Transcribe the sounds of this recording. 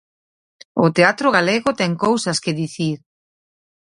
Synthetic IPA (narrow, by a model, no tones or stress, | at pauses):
ʊt̪eat̪ɾoɣaleɣʊt̪ɛŋkowsɐskɪðiθiɾ